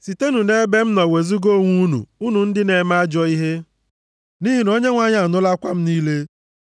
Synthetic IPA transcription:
si˨te˦nu˨ne˦be˦m̩˦nɔ˨we˨zu˦ɡo˦ŋʷu˦nṵ˨u˦nu˨n̩˦dɪ˦ne˨ma˦a˦d͡ʒɔ˦i˦ɦe˦ | ni˦ɦi˨no˦ɲe˦ŋʷa˦˨ɲ˦a˨nʊ˦la˦kʷa˦m̩˦niː˦le˦

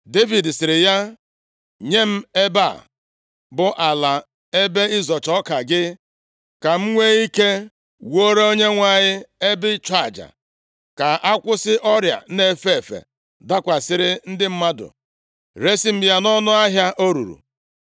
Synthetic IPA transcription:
de˦vi˨dsɪ˨ɾɪ˨ja˦ | ɲe˦m̩˦e˦ba˦˨ | bʊ˦ʔa˨la˨ | e˦be˦ɪ˦zɔ˨t͡ʃɔ˦ka˨ɡɪ˦ | ka˨m̩˦ŋʷe˦i˦ke˦ | wo˦ɾe˦o˦ɲe˦ŋʷa˨ɲɪ˦e˦bɪ˦t͡ʃa˦˨d͡ʒa̰˨ | ka˨ʔa˦kʷʊ˦sɪ˦ʔɔ˦ɾja̰˨˦ne˦˨fe˦˨e˨fḛ˨ | da˦kʷa˨sɪ˦ɾɪ˦n̩˦dɪ˦m̩˦ma˦dʊ̰˨ | ɾe˦si˦m̩˦ja˦nɔ˦nʊ˦a˦ɦja˦ʔo˦ɾṵ˨ɾṵ˨

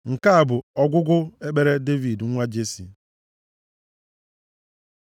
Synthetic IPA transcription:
ŋ̩˨ka˦a˨bʊ˨ɔ˦ɡʷʊ˦ɡʊ˦e˦k͡pe˦ɾe˦de˦vi˨dŋ̩˦ŋʷa˦d͡ʒe˦si˨

